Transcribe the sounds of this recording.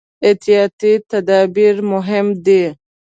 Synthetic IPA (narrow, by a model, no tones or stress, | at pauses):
et̪ijɑt̪it̪ad̪ɑːbiɾmʊɦɪmd̪e